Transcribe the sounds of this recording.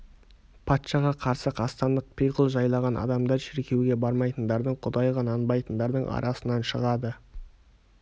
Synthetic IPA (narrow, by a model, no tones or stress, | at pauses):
pʰɑt̪ʃɑʁɑqʰɑɾsəqʰɑst̪ɑnd̪əq̚pʰijqəlˠʒɑjlˠɑʁɑnʔɑ̰d̪ɑmd̪ɑɾʃɪɾkʲe̞wɡʲe̞bɑɾmɑjt̪ənd̪ɑɾd̪əɴqʰʊd̪ɑjʁɑnɑnbɑjt̪ənd̪ɑɾd̪əɴɑ̰ɾʔɑsənɑnʃəʁɑd̪ə